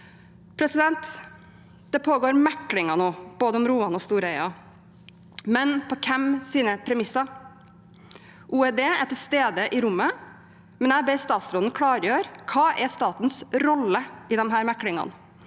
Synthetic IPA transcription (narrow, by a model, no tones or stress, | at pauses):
pʰɾɛsɪd̪ɛnt̪ | d̪̥ɛpʰoːɡoːɾmɛkːɽɪŋɑnoːb̥oːd̪əʊmɾuːɑnɔst̪uːɾɛɪɑ | mɛnpʰɔkʰɛmsiːnəpʰɾɛmɪsɑ | ʔuːɛd̪eːæʈ̪ʰɪlst̪eːd̪əʔɪɾʊmːə | mɛnæbɛst̪ɑːt̪sɾɔd̪n̩kʰɽɑːɾjøːɾkʰɑːʔɛst̪ɑːt̪n̩sɾɔlːəɪd̪ɛmɦæːɾmækːɽɪŋɑ̰n